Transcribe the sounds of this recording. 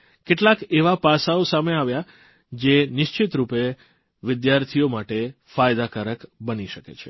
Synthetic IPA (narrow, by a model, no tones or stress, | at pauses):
keʈlakeʋapasaosameaʋja | d͡ʒenɪʃt͡ʃɪt̪ɾupe | ʋɪd̪jaɾt̪ʰiomaʈe | fajd̪akəɾəkbəniʃəkḛt͡ʃʰe